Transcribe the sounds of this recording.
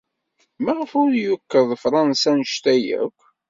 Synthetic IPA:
mæʁəfʊɾjʊkːəɾðˤfɾˤɑnsænəʃt̪æjæ̰kʷː

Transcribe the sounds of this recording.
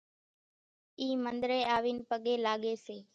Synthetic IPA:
iːmənd̪ɾeːaːʋiːnpəɠeːlaːɠeːseː

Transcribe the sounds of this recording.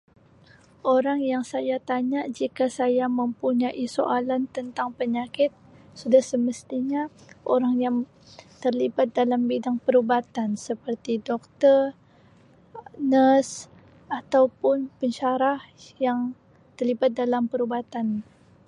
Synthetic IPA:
ʔoɾaŋjaŋsajat̪aɲaʔd͡ʒikasajaməmpuɲaʔiso̰ʔalant̪ənt̪aŋpəɲakɪt̪̚sudahsəməst̪iɲaʔoɾaŋjaŋ | t̪ərlibat̪̚dalambidaŋpəɾubat̪ansəpərt̪idɔk̚t̪ər | nəs | at̪awpʊnpəɲt͡ʃaɾah | jaŋ | t̪ərlibat̪̚dalampəɾubat̪an

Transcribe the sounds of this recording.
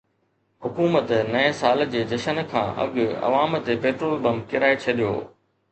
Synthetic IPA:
ɦʊkuːmət̪nɐẽsaːld͡ʑeːd͡ʑɐʃənkʰã̰ːʔɐ̰ɠɐ̰ʋaːmt̪epeːʈɾoːlbɐmkɪɾaːet͡ɕʰɐɗijo̰ː

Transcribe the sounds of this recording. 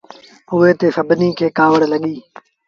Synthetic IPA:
ʊeːt̪eːfəbniːkʰeːkaːʋəɽləɠiː

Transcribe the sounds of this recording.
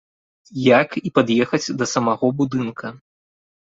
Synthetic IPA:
jakipad̪jɛxɐt͡sʲd̪ɐsɐmaɣɔbud̪ɨnkʰɐ

